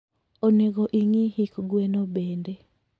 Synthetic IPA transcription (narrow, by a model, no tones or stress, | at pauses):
oneɣoʔiŋihikɡwenobeːnde